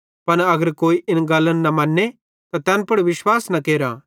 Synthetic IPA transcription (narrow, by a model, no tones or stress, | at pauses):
pɐnɐɡəɾkoːiʔɪnɡɐlːənːɐmɐnːe | t̪at̪ɛːnpɐɽʋɪʃwaːsnɐkeːɾa̰